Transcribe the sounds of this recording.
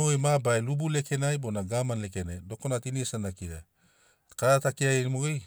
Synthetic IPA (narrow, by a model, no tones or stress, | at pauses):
oejmabajlubuleke̞najbonaɡamanle̞kenajdo̞konatiniesanakiɾa | kaɾatakiajenimoɡej